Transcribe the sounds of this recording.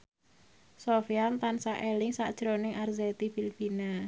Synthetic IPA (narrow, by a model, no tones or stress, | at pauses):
sofiant̪ansaʔelɪŋsa̰ʔd̥ʒ̥ɾonɪŋʔarzɛt̪ifilfina